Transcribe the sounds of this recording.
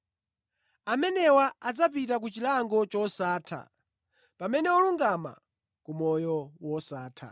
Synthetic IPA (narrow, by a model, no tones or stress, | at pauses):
amɛnɛwaad͡zapit̬ak̬ut͡ʃilaŋɡɔt͡ʃɔsaːtʰa̰ | pamɛnɛɔluŋɡama̰ | kumɔjɔwɔsaːtʰa̰